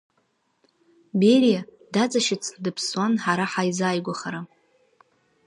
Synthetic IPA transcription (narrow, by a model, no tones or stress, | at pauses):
berija | dat͡sʼaʃɪt͡sʰʼdɨpʰswanħaɾaħajzaːjɡʷaχaɾa